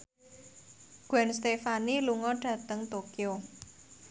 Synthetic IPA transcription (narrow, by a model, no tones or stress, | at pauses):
ɡ̥wɛnst̪efaniluŋɔɖ̥ä̤t̪əŋt̪okio